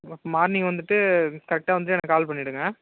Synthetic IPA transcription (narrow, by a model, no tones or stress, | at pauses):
ɐpːoːmaːɾniːŋɡɐʋɐnd̪ɯʈːɯkɐɾɛk̚ʈaːʋɐnd̪ɯʈːɯɛnãːkaːlpɐɳːɪɽɯŋɡɐ